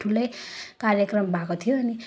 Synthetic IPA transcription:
ʈʰulʌjkaɾjekrʌmbʱakot̪ʰijoʌni

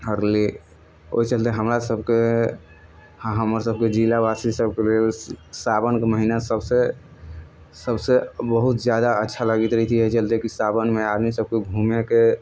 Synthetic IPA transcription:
ɦəɾli | o̰it͡ʃəlt̪eɦəmɾasəbʱke | ɦəməɾsəb̚ked͡ʒilabasisəb̚kelelsabənkeməɦinasəbse | səbsebəɦut̪d͡ʒjad̪aətːʃʰaləɡit̪ɾəɦt̪iɦət͡ʃəlt̪ekisabənmead̪misəb̚kebʱumeke

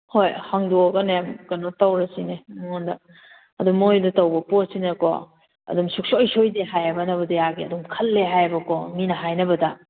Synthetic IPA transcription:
hojhaŋduɔɡɐnjamɡɐnotawɾɐsinemŋɔndɐ | ɐdumojdɐtɐwbɐposinɐkɔ̰ | ɐ̰dumsuk̚soɔjsojdeɦajabɐnɐbɐdɐjaɡiɐdumkʰɐlːeɦajbɐkɔminɐɦajnɐbɐdɐ

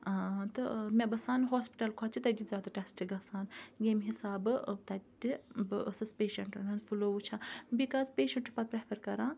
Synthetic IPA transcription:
t̪ɨmẽbɐsaːnɦoːspi̥ʈɐlkʰaːt͡ʃʰit̪ɐd̪ʲizʲaːd̪aʈɛːsʈiɡɐsaːnɡʲeːmɦisaːbɨt̪ɐd̪ibɨʔəsɐspeːʃɐɳʈɐnɐnfʰuloːʋut͡ʃʰaːbikaːspeːʃɐɳʈʰupɐt̪̚pɾɐpʰɐɾkɐɾãː

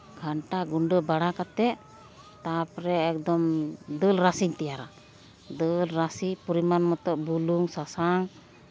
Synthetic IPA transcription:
ɡʱaɳʈaɡuɳɖəbaɽakat̪ɛ | t̪apɾɛːk̚d̪ɔmd̪əlɾasiɲt̪ɛjaɾa̰ | d̪əlɾasipɔɾimanmɔt̪ɔʔbuluŋsasaŋ

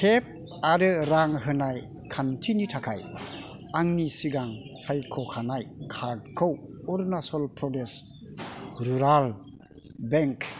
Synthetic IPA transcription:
kʰep̚ | aɾɯɾaŋɦɯnaj | kʰantʰinitʰakʰaj | aŋnisiɡaŋ | sajkʰɔkʰanajkʰaɾd̚kʰɯwɔɾnasɔlpʰɾɔdes | ɾuɾal | beŋk

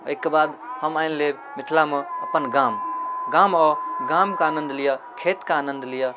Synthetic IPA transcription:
əjkːebad̪həmajnle | mit̪ʰlameəpənɡãmɡamɔɡamkeanə̃nd̪ʱlijakʰet̪keaːnənd̪ʱlija

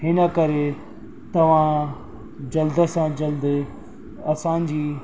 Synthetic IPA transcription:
ɦɪnə̆kɐɾe | t̪ɐʋ̤ã | d͡ʑɐld̪ə̆sãd͡ʑɐld̪ɪ | ɐsãːɲd͡ʑiː

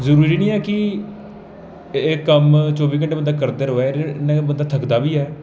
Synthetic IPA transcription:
zəɾuːɾiːnĩːɛːkɪ | eːkːəmt͡ʃɔːbiːk̬əɳʈeːbənd̪aːkəɾd̪eːɾoːɛːnãːbənd̪aːt̪ʰəkd̪aːbiːɛː

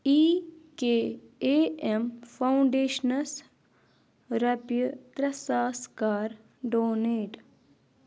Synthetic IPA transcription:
iːkeːeːempʰɐuɳɖeːʃnɐs | ɾɐpjət̪ɾɐsaːskaːɾ | ɖoːneːʈ

